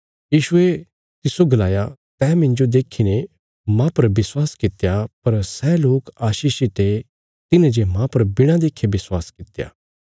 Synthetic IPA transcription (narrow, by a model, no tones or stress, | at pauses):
jiːʃʊe | t̪ɪsoɡɐlaːjat̪ɛːmɪ̃ɲd͡ʒod̪eːkʰine | mãpɐɾbɪswaːskɪt̪japɐɾsɛloːkaːʃiːʃit̪e | t̪ɪnẽd͡ʒemãpɐɾbɪɽ̃ãd̪eːkʰebɪswaːskɪt̪eja̰ː